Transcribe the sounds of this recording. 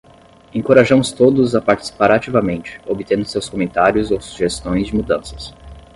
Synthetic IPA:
ẽŋkoɾaʒɐ̃mʊst̪od̪ʊzapaɾt͡ʃi̥si̥paɾat͡ʃivɐmẽnt͡ʃɪ̥obit̪ẽnd̪ʊsewskomẽnt̪aɾjʊzowsu̥ʒest̪õj̃zd͡ʒɪmud̪ɐ̃sɐ̥s

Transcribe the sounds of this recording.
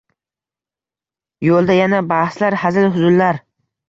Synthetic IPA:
jolˠd̪ajanabahslaɾhazɪlɦʊzʊllaɾ

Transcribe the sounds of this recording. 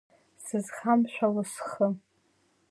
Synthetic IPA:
sɨzχamʃʷᶣalasχə

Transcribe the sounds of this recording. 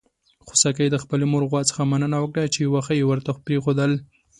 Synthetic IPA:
xosɑkajd̪əxpəlemoɾɣwɑt͡sə̥xamanənawəkɽat͡ʃejwaxəjewəɾt̪apɾexod̪əl

